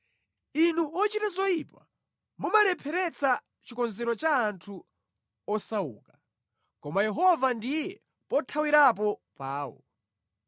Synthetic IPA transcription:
inuɔt͡ʃitazɔipa | mumalɛpʰɛɾɛt͡sa | t͡ʃikɔnzɛɾɔt͡ʃaːntʰu | ɔsaṵːkḁ | kɔmajɛɦɔvandijɛ | pɔtʰawiɾap̬ɔpaːwɔ̰

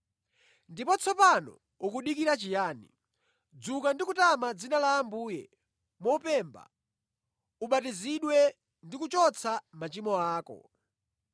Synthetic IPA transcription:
ndipɔt͡sʰɔpanɔ̰ | ukuɗikiɾat͡ʃijaːnḭ | d͡zukandikutamad͡zinalaːmbuːjɛ̰ | mɔupɛːmba̰ | uɓatiziɗwɛ | ndikut͡ʃɔt͡sʰamat͡ʃimɔaːkɔ̰

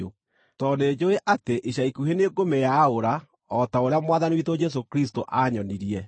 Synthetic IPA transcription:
o | tɔned͡ʒoeʔateʔeʃaikuɦeneɡomejaoɾa | ɔtaoɾeamwaːðaniwitod͡ʒɛs̬okɾistoʔaɲɔniɾiɛ

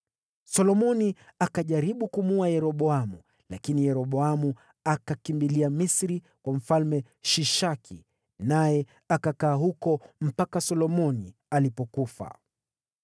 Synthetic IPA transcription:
sɔlɔmɔniakaʄaɾiɓukumuajɛɾɔɓɔamu | lakinijɛɾɔɓɔamu | akakimbiliamisɾi | kwam̩falmɛ | ʃiʃakʰi | najɛ | akakaːhukɔm̩pakasɔlɔmɔnialipɔkufa̰

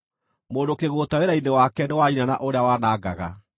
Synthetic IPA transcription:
moːndokeɣoːtaweɾainewakɛnewainanaʔoɾeawaːnaːɡa̰ɣa̰

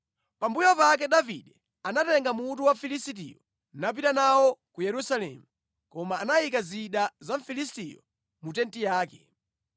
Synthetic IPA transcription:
pambujɔpak̬ɛɗavḭɗɛ | anatɛŋɡamutuwafilisit̬ḭjɔ̰ | nap̬itanawɔkujɛɾusalɛ̰mu | kɔmaːnaikaziɗazaɱfilis̬tḭjɔ̰ | mutɛntijaːkɛ

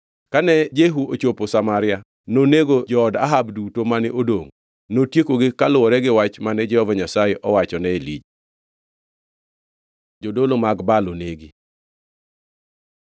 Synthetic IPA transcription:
kanɛd͡ʒeɦuot͡ʃoposamaɾɪa | noneɡod͡ʒɔːdaɦabdutomanɪʔodoŋ | notjekoɡɪkalʊɔɾɛɡɪwat͡ʃmanɛd͡ʒɛhɔvaɲasajɛʔɔwat͡ʃɔnɛelid͡ʒ | d͡ʒodolomaɡbaloneɡɪ

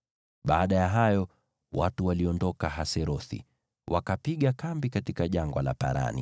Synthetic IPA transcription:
ɓaːɗajaɦajɔ | wa̰tuwaliɔndɔkaɦasɛɾɔθḭ | wakapiɠakambikatikaʄaŋɡwala̰pa̰ɾa̰nḭ

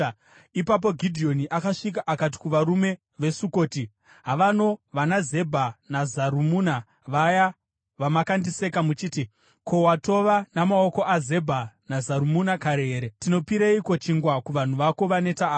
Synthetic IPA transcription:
ipap̬o̞ɡʱidʱio̞niʔakaʂik̬aʔakat̬i̥kuʋaɾume̞ | ʋe̞suko̞ːti | ɦaʋano̞ʋanaze̞bʱanazaɾumuna | ʋaja | ʋamakandise̞kamut͡ʃiːti | ko̞wato̞ʋanamao̞ko̞ʔaze̞bʱanazaɾumunakaɾeɦeːɾetino̞piɾeikot͡ʃiŋɡwakuʋan̤uʋako̞ʋane̞taː

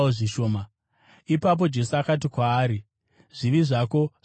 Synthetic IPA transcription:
oʐiʃo̞ːma | ipap̬o̞d͡ʒe̞suakat̬ikwaːɾi | ʐ̥iʋiʐaːko̞

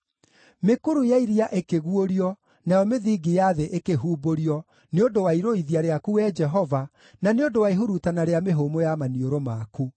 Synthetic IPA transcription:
mekoɾujaiɾiaʔekeɣuoɾiɔ | najɔmeðiːɡijaðeʔekeɦuːboɾiɔ | neondowaiɾoiðiaɾeakuɛd͡ʒɛɦɔva | naneondowaiɦuɾutanaɾeameɦomojamanioɾomaku

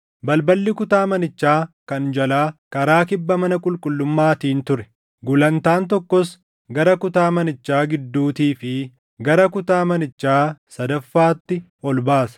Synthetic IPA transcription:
bɐlbɐlːɪkʊt̪aːmɐnɪt͡ʃːaːkɐnd͡ʒɐlaːkɐɾaːkɪbːɐmɐnɐkʼʊlkʼʊlːʊmːaːt̪iːnt̪ʊɾɛ̥ | ɡʊlɐnt̪aːnt̪̬ɔkːɔs | ɡɐɾɐkʊt̪aːmɐnɪt͡ʃːaːɡɪd̪ːuːt̪iːfɪ | ɡɐɾɐkʊt̪aːmɐnɪt͡ʃːaːsɐd̪ɐfːaːt̪ːɪ | ɔlbaːsɐ̥

